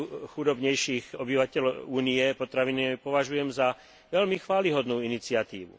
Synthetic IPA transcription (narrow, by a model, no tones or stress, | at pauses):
xud̪ɔbɲɛjʃiːɣɔbiʋacɛluːniɛpɔt̪ɾaʋinipɔʋaʒujɛmza | ʋɛʎmixʋaːliɦɔd̪nuːinit͡sɪat̪ḭːʋṵ